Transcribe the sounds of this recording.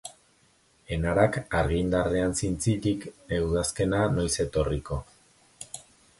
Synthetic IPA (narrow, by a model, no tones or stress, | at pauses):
e̞naɾakaɾɣind̪areansint͡sitike̞wðaske̞nano̞jse̞t̪o̞riko̞